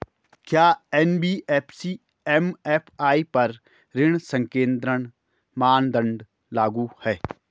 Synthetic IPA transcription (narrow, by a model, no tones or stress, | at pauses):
kjaːɛnbiːɛpʰsiː | ɛmɛːpʰaːipɐɾ | ɾɪɽ̃sə̃ŋkẽːnd̪ɾəɽ̃ | maːnd̪ə̃ɳɖ | laːɡuhɛː